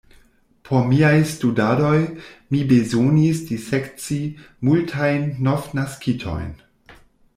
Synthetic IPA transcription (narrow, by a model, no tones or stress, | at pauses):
pʰomiajstudado̞jmibezonisdisekt͡si | multʰajnːofnaskʰitʰo̰jn